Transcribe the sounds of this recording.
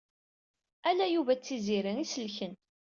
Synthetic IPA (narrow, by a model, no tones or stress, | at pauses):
ælæjuvæt͡sːiziɾiŋisəlçən